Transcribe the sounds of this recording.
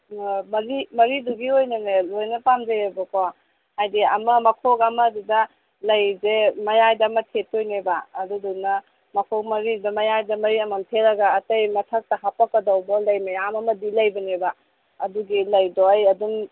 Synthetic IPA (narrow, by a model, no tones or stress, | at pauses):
mɐɾimɐɾiduɡiojnɐnelojnɐpamzɐjebɐkɔ | hajdiɐmɐmɐkʰokɐmɐdudɐ | lɐjzemɐjajdɐmɐtʰetojnebaːdudunɐ | mɐkʰok̚mɐɾidudɐmɐjajdɐmɐɾiɐmantʰeɾɐɡɐːtɐjmɐtʰak̚tɐɦapɐkpɐdɐwbolɐjmɐjamɐmɐdilɐjbɐneba | ɐduɡilɐjdojɐduŋ